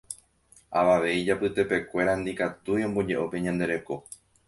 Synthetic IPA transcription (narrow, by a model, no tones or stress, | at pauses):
aʋaʋe̞id͡ʒapɨt̪e̞pe̞kʷe̞ɾand̪ikat̪ujõ̞mbo̞d͡ʒe̞ʔo̞pe̞ɲãnd̪e̞ɾe̞ko̞